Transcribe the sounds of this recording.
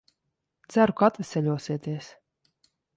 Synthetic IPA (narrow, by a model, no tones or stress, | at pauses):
t̪sæɾukaat̪vʲɛsʲɛʎʲuɔsiɛt̪iɛs